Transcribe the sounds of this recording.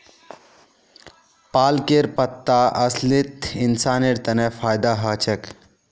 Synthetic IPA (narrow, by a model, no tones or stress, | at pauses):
paːlkeɾpət̪ːaʔɐslit̪insaːneɾt̪ɐnefʰaːjd̪aɦət͡ʃɐk